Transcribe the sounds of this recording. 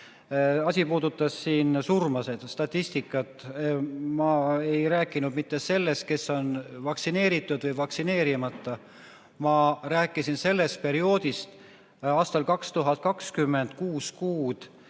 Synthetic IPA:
ɑsʲipuːd̪ut̪ːˑɑsːiːnsurmɑse̞d̪̥st̪ɑt̪ʲˑːist̪ikːˑɑt̪ːˑ | mɑe̞jɾæːkːˑinud̪̥mit̪ːe̞se̞lːe̞st̪̚ke̞sːo̞nvɑksine̞ːɾit̪ːˑud̪̥vɤjvɑksine̞ːɾimɑt̪ːˑɑ | mɑræːkːˑisinse̞lːe̞st̪̚pe̞ɾio̞ːd̪ist̪ | ɑːst̪ɑlkɑkst̪uɦɑt̪̚ˑkɑkskymːe̞nd̪̥kuːskuːd̪̥

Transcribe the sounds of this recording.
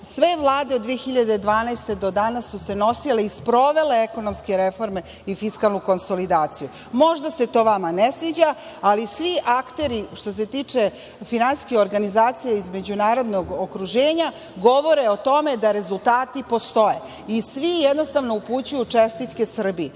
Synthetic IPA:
sʋe̞ʋlˠaːd̪eod̪ːʋijexiʎad̪ed̪ʋaːnajst̪e̞d̪o̞d̪anasːuse̞no̞sileispɾo̞ʋe̞le̞eko̞nomskeɾefo̞ɾme̞ | ifiskalˠnuko̞nsolid̪aːt̪siju | mo̞ʒd̪ase̞t̪o̞ʋamanesʋid͡ʑa | alisʋiʔakt̪e̞ɾiʃt̪o̞s̬e̞t̪iːt͡ʂe | finansi̥skixo̞ɾɡanizaːt̪sijeizme̞d͡ʑunaːɾo̞d̪no̞ɡokɾuʒeːɲa | ɡo̞ʋo̞ɾeot̪o̞med̪aɾe̞zult̪aːt̪ipo̞st̪o̞je | isʋijed̪no̞st̪aʋno̞uput͡ɕujut͡ʂest̪it̪ke̞sr̩bi

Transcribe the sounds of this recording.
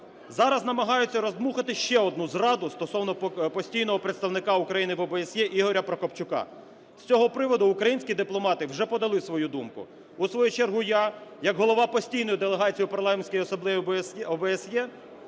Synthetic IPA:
zɑɾɐznɐmɐɦɑjʊt͡sʲːɐɾɔzmuxɐt̪ɪʃt͡ʃɛɔd̪̚nuzrɑd̪ʊst̪ɔsɔwnɔpɔsʲtʲijnɔɦɔpɾet̪st̪ɐwnɪkɑʊkɾɐjinɪʋɔbeːsʲjɛʔiɦɔɾʲɐpɾɐkɔpt͡ʃʊkɑ̰ | sʲt͡sʲɔɦɔpɾɪʋɔd̪ʊːkɾɐjinʲsʲkʲid̪ɪplˠɔmɑt̪ɪwʒɛpɔd̪ɐlˠɪsʋɔjud̪umkʊ̰ | usʋɔjut͡ʃerɦujaɑjɐɡɦɔlˠɔʋɑpɔsʲtʲijnɔjʊd̪elˠeɦɑt͡sʲijiupɐrlˠɑmenʲsʲkɔjɔsɔblˠɪʋʲiɔbɛɛsjɛ

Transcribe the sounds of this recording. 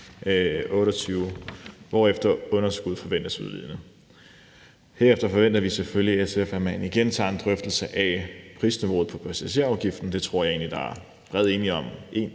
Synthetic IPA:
ɔ̽ːɾɒt͡sʰyːʊʋɒefd̥ɐɔ̽nɐsɡ̥uð̞̰ˠfɒ̽ʋen̰d̥ɐsuðˠʋḭð̰ˠnə | heɐefd̥ɐfɒ̽ʋen̰d̥ɐʋisefølliesefæmæniɡ̥ent͡sʰɑ̰̈e̝nd̥ʁœfd̥l̩səʔæpʰʁiːsniʋo̝̰ːð̩ˠpʰɒ̽pʰæsæɕe̝̰ɐɑ̈ʊɡ̥ifd̥n̩d̥e̝t͡sʰʁo̝ɐ̰jɑ̈e̝̰ːnlid̥ɑ̈æɐ | b̥ʁɛð̞ˠe̝ːniɒ̽mʔe̝n

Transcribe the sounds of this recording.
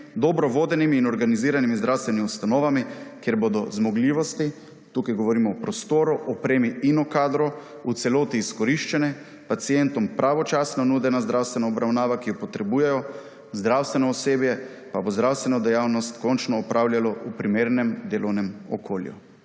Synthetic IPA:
d̪ɔbɾɔʋoːd̪ɛnimiːnɔɾɡaniziːɾanimizd̪ɾawst̪ʋɛniust̪anɔːʋamikjeɾbod̪ɔzmɔɡliːʋɔst̪i | t̪uːkajɡɔʋɔɾiːmɔɔpɾɔst̪oːɾuʔɔpɾeːmiinɔkaːd̪ɾɔ | ut̪sɛloːt̪iːskɔɾiʃt͡ʃɛnɛ | pat̪sijɛnt̪ɔmpɾʔaʋɔt͡ʃasnɔnuːd̪ɛnazd̪ɾʔawst̪ʋɛnaɔbɾawnaːʋakijɔpɔt̪ɾɛbuːjɛjɔ | zd̪ɾawst̪ʋɛnɔːseːbjɛ | pabozd̪ɾawst̪ʋɛnɔd̪ɛjawnɔst̪kɔnt͡ʃnɔːpɾʔaːwljalɔʔupɾimeːɾnɛmd̪eːlɔwnɛmɔkʰoːljṵ

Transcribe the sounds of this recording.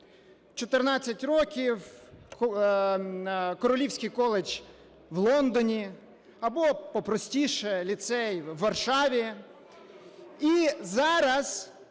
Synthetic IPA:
t͡ʃɔt̪ɪrnɑt͡sʲːɐtʲɾɔkʲiw | kɔɾɔlʲiwsʲkʲijkɔlˠet͡ʃʲ | ʋlˠɔnd̪ɔnʲi | ɐbɔpɔpɾɔsʲtʲiʃɛlʲit̪sɛjʋːɐrʃɑʋʲi | izɑɾɐz̥

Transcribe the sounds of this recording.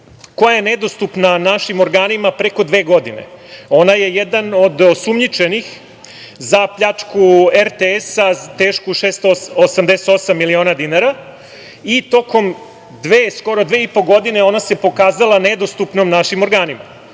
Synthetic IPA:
ko̞jajened̪o̞st̪upnanaʃimoɾɡaːnimapɾeko̞d̪ʋe̞ːɡo̞d̪inḛo̞naje̞jed̪ano̞d̪osumɲit͡ʂe̞nix | zapʎat͡ʂkueɾt̪eesat̪eːʃkuʃeːst̪oosamd̪eset̪o̞samːilio̞ːnad̪inaɾa | it̪o̞ko̞m | d̪ʋeːsko̞ɾod̪ʋe̞ːipo̞ɡo̞d̪ine̞o̞nase̞po̞kaːzalˠaned̪o̞st̪upnomnaʃimo̞ɾɡaːnima̰

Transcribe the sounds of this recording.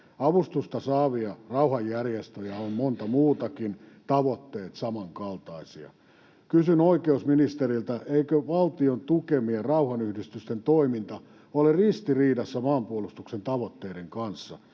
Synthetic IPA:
ɑʋust̪ust̪ɑsɑːʋiɑrɑuhɑjːærjest̪øjæommont̪ɑmuːt̪ɑkint̪ɑʋot̪ːeːt̪sɑmɑŋkɑlt̪ɑisiɑ̰ | kysynoikeusminist̪erilt̪æʔeikøʋɑlt̪iont̪ukemierɑuhɑnyhdist̪yst̪ent̪oimint̪ɑ | olerist̪iriːdɑsːæmɑːmpuolust̪uksent̪ɑʋot̪ːeiɾeŋkɑnsːɑ̰

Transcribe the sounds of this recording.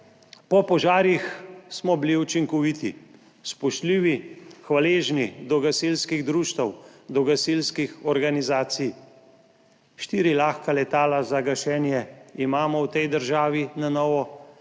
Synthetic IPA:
pɔpɔʒaːɾjixsmɔbiliut͡ʃiŋkɔʋit̪ḭ | spɔʃt̪liːʋixʋaleːʒnid̪ɔɡasiːlskiɣd̪ɾuːʃt̪ɐwd̪ɔɡasilskixɔɾɡanizaːt̪sij | ʃt̪iːɾilaːxkalɛt̪aːlazaɡaʃɛːnjɛimaːmɔwt̪ɛjd̪əɾʒaːʋinanɔːʋɔ

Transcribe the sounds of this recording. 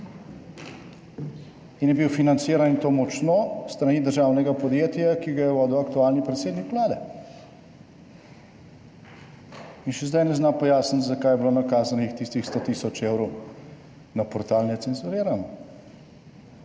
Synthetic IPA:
injɛbiwfinant̪siːɾanint̪omɔt͡ʃnost̪ɾaniːd̪əɾʒaːwnɛɡapɔd̪jeːt̪jakiɡajɛwɔːd̪ɔwɐkt̪uaːlnipɾɛt̪seːd̪nikʋlaːd̪ɛ | inʃɛzd̪ajnɛznapɔjaːsnit̪zakaːjɛbiloːnakaːzanixt̪ist̪ixst̪ot̪iːsɔt͡ʃewɾɔw | napɔɾt̪aːlnɛt̪sɛnzuɾiːɾan

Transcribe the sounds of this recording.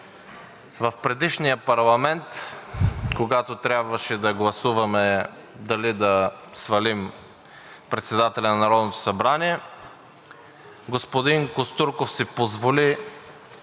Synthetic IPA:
vɐfpɾɛd̪iʃnijəpɐɾlˠɐmɛnt̪ | koɡat̪ot̪ɾʲjabvɐʃɛd̪ɐɡlˠɐsuvɐmɛ | d̪ɐlid̪ɐ | svɐlim | pɾɛt̪sɛd̪at̪ɛlʲɐnɐnɐɾɔd̪not̪o̥sɐbɾaniɛ | ɡospod̪inkost̪uɾkofsipozvoli

